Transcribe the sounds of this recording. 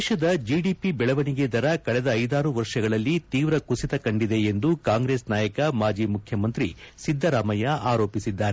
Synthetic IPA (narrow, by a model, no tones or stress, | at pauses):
deːʃɐd̪ɐd͡ʒiɖipibɛɭɐʋɐniɡed̪ɐɾɐkɐɭɛd̪ɐːjd̪aːɾuʋɐɾʂɐɡɐɭɐlːit̪iːʋɾɐkusit̪ɐkɐɳɖid̪e̞end̪ukaːŋɡɾe̞ːsnaːjɐkɐmaːd͡ʒiːmukʰjɐmɐnt̪ɾisid̪ʱːɐɾaːmɐjɐʔaːɾo̞ːpisid̪ːaːɾe